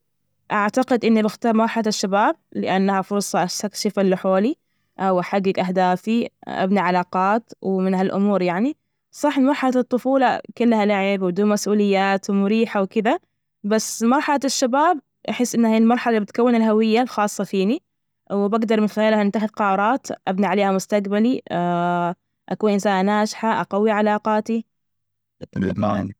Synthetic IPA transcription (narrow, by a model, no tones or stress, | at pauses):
ʔaʕt̪aqɪd̪ʔɪnːibɪxt̪ɑːɾˤmɑɾˤħalaʃːabaːb̚lɪʔanːahafʊɾˤsˤɑʔast̪akʃɪfɪlːʊħoːli | ʔawʔaħaɡːɪɡʔaɦd̪aːfiʔa̰bnaʕalɑːqɑːt̪wmɪnhalʔʊ̰muːɾjaʕni | sˤɑħmɪmɑɾˤħalat̪ˤːʊfuːlɑkʊlːhalaʕɪbwd̪uːmasʔuːlɪjːaːt̪wmʊɾiːħawkɪd̪a | basːmɑɾˤħɑlaʃːabaːb | ʔaħɪsːʔɪnːahiːlmɑɾˤħalabɪt̪kawːɪnɪlɦawɪjːalxɑːsˤːɑfiːni | wbaɡd̪ɑɾˤmɪnxaaːlhaʔɪnt̪ːaxɪðqɑʔɑɾˤɑːt̪ʔabniʕaleːhamʊst̪aqbali | ʔakuːnʔɪnsaːnnaːʃħaʔaqawːiʕalɑːqɑːt̪i | t̪ma̰n